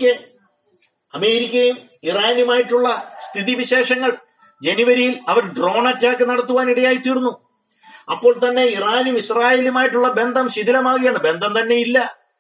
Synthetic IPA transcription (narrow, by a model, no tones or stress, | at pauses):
kʲːe | ɐme̞ːɾikʲːɐjum | iraːnumaːjiʈːuɭːɐst̪ʰiðiʋiɕe̞ːʂɐŋːɐɭ | d͡ʑe̞niʋɐɾijilɐʋɐɾɖro̞ːɳɐt͡ɕːaːkːɨnɐɽɐt̪ːuʋaːniɽɐjaːjit̪ːiːɽunːu | ɐpːo̞ːɭt̪ɐnːe̞iraːnumiɕraːje̞ːlumaːjiʈːuɭːɐbe̞nd̪ʱɐmɕiðilɐmaːɣijaːɳɨbe̞nd̪ɐmt̪ɐnːe̞jilːɐ